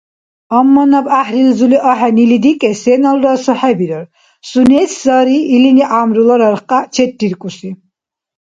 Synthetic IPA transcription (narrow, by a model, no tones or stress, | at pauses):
ɔmːɔnabaħɾilzuliʔɔħɛnilid̪ikʼɛsɛnɔlɾɔsɔħɛbiɾɔɾ | sunɛszaɾiːliniʔamɾulɔɾɔɾχqʼat͡ʃʰɛt̪̚ːiɾkʼusi